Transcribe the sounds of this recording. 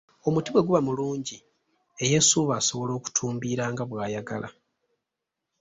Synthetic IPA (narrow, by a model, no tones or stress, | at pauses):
o̞mutiβwe̞ɡuβamuluːɲɟi | eje̞suβaːso̞βo̞lo̞ːku̥tʰuːmbiːɾaːŋɡaβwaːjaɡalʔa̰